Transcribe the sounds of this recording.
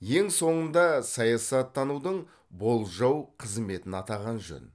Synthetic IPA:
je̞ŋso̞ɴənd̪ɑsɑjɑsɑt̪ːɑnud̪əɴ | bo̞lˠʒɑwqʰəzme̞t̪ɪnɑt̪ɑʁɑnʒɵ̰n

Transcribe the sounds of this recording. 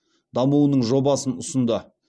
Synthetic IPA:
d̪ɑmuwənəɴʒo̞bɑsənʊsənd̪ə

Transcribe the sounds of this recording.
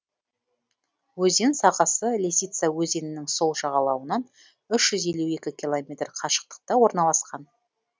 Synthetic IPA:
wɵze̞nsɑqɑsəlʲesit̪sawɵze̞nɪnɪŋso̞lˠʃɑʁɑlˠɑwənɑn | ʏʃʒ̥ʏze̞lːue̞kʲɪkʲilˠo̞mʲe̞t̪rqʰɑʃə̥q̚t̪ə̥q̚t̪ɑwo̞ɾnɑlˠɑsqɑn

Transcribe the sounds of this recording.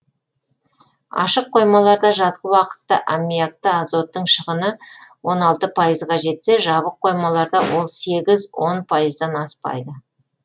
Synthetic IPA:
ɑ̰ʃəqʰːo̞jmɑlˠɑɾd̪ɑʒɑzʁəwɑqə̥t̪ːɑ̰ʔamijak̚t̪əazo̞t̪ːəɴʃəʁənəwo̞nɑlˠt̪əpʰɑjəzʁɑʒe̞t̪se̞ʒɑβəqʰːo̞jmɑlˠɑɾd̪ɑwo̞lˠse̞ɡʲɪzwo̞npʰɑjəzd̪ɑnɑspɑ̰jd̪ə

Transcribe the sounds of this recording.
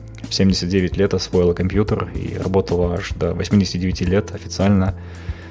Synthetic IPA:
fsʲemdʲɪsʲət̪̚dʲevʲɪtʲlʲet̪ɐsvo̞jɪlˠəkɐmpʲjut̪ərḭrɐ̰bo̞t̪əlˠəaʂd̪əvɐ̰sʲmʲidʲɪsɪ̥tʲɪdʲɪvʲɪtʲilʲet̪ɐfʲɪ̥t̪sɨalʲnə

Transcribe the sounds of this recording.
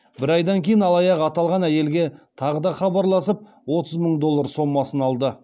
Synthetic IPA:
bɪɾɑjd̪ɑŋkʲʰe̞jɪnɑlˠɑjɑqɑt̪ɑlˠʁɑnæje̞lɡʲe̞t̪ʰɑʁəd̪ɑχɑbɑɾlˠɑsəp̚ | wo̞t̪əzməɴd̪o̞lˠːɑɾso̞mːɑsənɑlˠd̪ə

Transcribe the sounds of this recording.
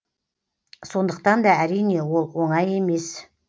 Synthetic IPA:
so̞nd̪əqt̪ɑnd̪ɑæɾijne̞wolˠwo̞ɴɑje̞me̞s

